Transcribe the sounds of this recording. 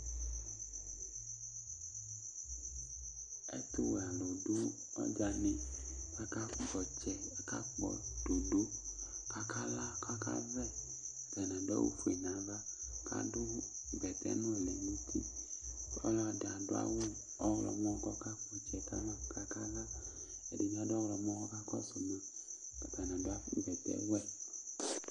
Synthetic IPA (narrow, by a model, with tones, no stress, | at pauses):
ɛ̰˦t̪ʊ˦we˨a˨lɔ˨do˦ | ɔ̰˦d͡ʒa˨nĩ˨ka˦ka˦ɡ͡bɔ˨t͡ʃɛ˨ka˦k͡pɔ̰˨do˨do˦ka˦kʰa˦la˦ka˦ka̰˦vɛ˦ | v̥ɛ˨nã˨dɔ˦wṵ˦fu˨e˨nã˨va˦ka̰˦dʊ˦˨ɡ͡bɛ˨tɛ̰˦nʊ̃˦ɛ˨lɛ˨nĩ˦tʰḭ˦ | ɔ̰˦lɔ˦a˨da˨dʊ˦a̰˦wɔ˦ | ɔ˦wlɔ̰˨mɔ̃˦kɔ˦ka˦k͡pɔ˨t͡ʃɛ˨ka̰˦la˦˨ka˦ka˦la˦ | ɛ̰˨di˨n˦a˦dɔ˦wɔ˨m˦ɔ˦ɡɔ˦ka˦kɔ˦sɔ˨mã˨ka˨ta˨nã˨dʊ˦a˦ɡ͡bɛ˨tɛ̰˦wɛ˦˨